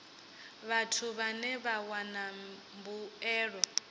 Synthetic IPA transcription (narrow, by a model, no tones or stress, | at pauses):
βatʰuβanɛβawanambuɛːɺɔ